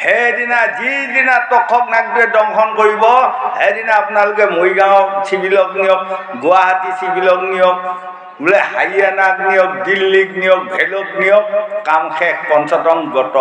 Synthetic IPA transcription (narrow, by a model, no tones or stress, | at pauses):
hedinazidinatɔkʰːɔknaɡdɹɛdɔŋxʰɔnkoɹibɔhedinaːpʊnalʊkɛmojɡawɔk̚sibilɔknijɔk̚ | ɡʊaɦatisibilɔknijɔk̚ | ɡulɛha̰janak̚nijɔk̚dilːiknijɔk̚bʱɛlok̚nijɔk̚kamxɛkʰpɔnsɔtɔŋɡɔtɔ